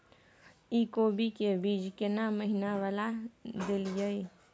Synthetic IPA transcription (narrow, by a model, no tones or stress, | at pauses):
ikobʱikebiːd͡ʒkenaməɦinawalad̪ɪld͡ʒəi